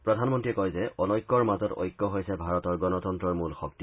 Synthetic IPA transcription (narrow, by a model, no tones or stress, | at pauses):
pɹɔdʱanmɔntɹiɛkɔjzɛɔnɔjkːɔɹmazɔto̰jkːɔɦojsɛbʱaɹɔtɔɹɡɔnɔtɔntɹɔɹmulxɔk̚ti